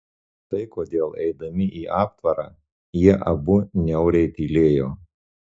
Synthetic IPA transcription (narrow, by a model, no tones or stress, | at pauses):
t̪ɐɪkoːd̪ʲeːlˠɛ̰ɪd̪ɐmʲɪʔiːʔɑːp̚t̪ʋɐɾɑː | jiɛʔɐbʊnʲɛʊɾʲɛɪt̪ʲiːlʲeːjoː